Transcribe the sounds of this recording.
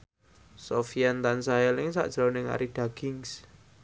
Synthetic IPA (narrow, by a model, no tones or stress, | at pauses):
sofiɛnt̪ansaɛlɪŋsa̰ʔd̥ʒ̥ɾonɪŋa̰ɾiɖ̥a̤ɡ̥ɪŋs